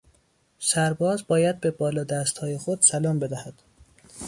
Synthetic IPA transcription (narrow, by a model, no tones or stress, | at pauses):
sæɾbɒːzbɒːjæd̪̚be̞bɒːlɒːd̪æst̪hɒːjexod̪̥sælɒːmbe̞d̪æhæd̪̥